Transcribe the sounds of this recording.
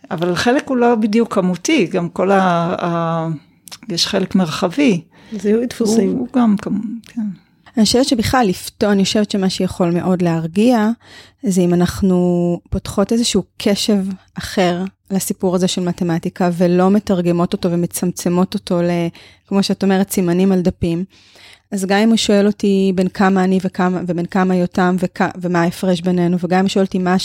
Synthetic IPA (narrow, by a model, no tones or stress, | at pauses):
avalːχelekulo̞bidjukʰːamutiɡamko̞la | jeʃχelekmeʁχavi | zutfiuɡamkakʰen | aʃelott͡ʃʃebiχlalːiftoanioʃe̞vetʃemaʃujaχo̞lme̞ʔo̞dleaʁɡia | zeimanaχnupotχo̞te̞zeʃuːkʰe̞ʃe̞vʔaχe̞ʁ | lasipuʁazeʃelmate̞matikavelome̞taʁɡe̞mo̞to̞to̞veme̞t͡samt͡se̞mo̞to̞to̞le | kmo̞ʃeatome̞ʁetsimanimaldapim | azɡamimuʃoe̞lo̞tibe̞nkamaːnivekamavebe̞nkamajotamvekavemaefʁeʃbe̞ne̞nuveɡamimuʃoeltima